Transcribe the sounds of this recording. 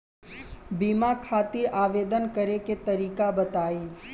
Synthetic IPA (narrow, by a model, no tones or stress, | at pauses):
bimakʰaːt̪iɾʔaʋed̪ənkəɾeket̪əɾiːkabət̪aːi